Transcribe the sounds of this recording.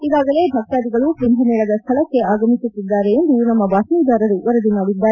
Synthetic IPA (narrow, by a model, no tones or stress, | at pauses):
iɡaːɡɐle̞ːbʱɐk̚ʈaːd̪iɡɐɭupɾinb̪ʱɐnɛɭɐd̪ɐst̪ʰɐlɐkːe̞aːɡɐmisut̪ːid̪ːaːɾe̞ːnd̪unɐmːɐbaːsnid̪aːɾɐɾuʋɐɾɐd̪umaːɽid̪ːaːɾe